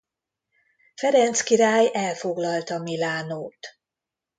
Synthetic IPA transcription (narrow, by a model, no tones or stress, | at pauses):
fɛɾɛnt̪skiɾaːjɛlfo̞ɡlɒlt̪ɒmilaːnoːt̪